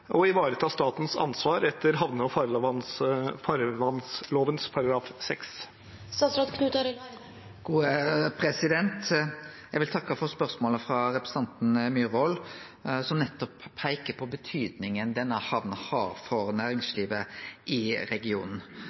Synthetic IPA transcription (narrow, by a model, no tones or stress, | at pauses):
ʔɔɪʋɑːɾət̪ʰɑːst̪ɑːt̪n̩sɑ̰nsʋɑːɾɛt̪ʰːəɾɦɑʋnəɔfɑɾnfɑɾʋɑnsloːʋənspʰɑɾɑɡɾɑːfsɛks | sɑsɾɑd̪kʰnʉt̪ə | ɡ̥uːəpʰɾɛsɪd̪ɛnt̪jɛɡʋɪlt̪ʰɑkːɑfɔɾspœɾsmoːləfɾɑɾɛpɾɛsɑnt̪n̩myːɾɔl | sɔmnɛt̪ːɔpʰːæɪkəpʰɔbət̪ʰyːd̪nɪŋənd̪ɛnːəhɑʋnəhɑɾfɔɾnæːɾɪŋsliːʋəʔɪɾɛɡɪṵːnn̩